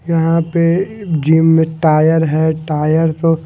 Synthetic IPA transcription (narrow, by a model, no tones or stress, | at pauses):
jɐɦãped͡ʒiːmːẽʈaːjəɾɦɛʈaːjəɾt̪o